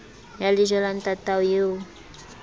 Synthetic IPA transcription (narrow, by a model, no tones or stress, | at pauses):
jaliʒɔlant̪at̪awje